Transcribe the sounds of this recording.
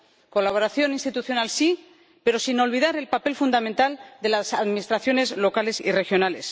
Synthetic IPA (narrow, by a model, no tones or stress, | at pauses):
ko̞laβo̞ɾaθjo̞ninst̪it̪uθjo̞nalsi | peɾo̞sino̞lβ̞iðaɾe̞lpape̞lfund̪amẽnt̪ald̪e̞lasaðminist̪ɾaθjo̞ne̞zlo̞kale̞sḭre̞xjo̞nale̞s